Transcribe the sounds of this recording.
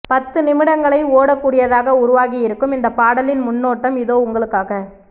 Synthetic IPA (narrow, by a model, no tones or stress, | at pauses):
pɐt̪ːɯnɪmɪɽɐŋɡɐɭɐɪoːɽɐkːuːɽɪjɐðaːɣɐʊɾʊʋaːɣɪjɪɾɯkːɯmɪnd̪ɐpaːɽɐlɪnmʊnːoːʈːɐmɪðoːʊŋɡɐɭɯkːaːɣɐ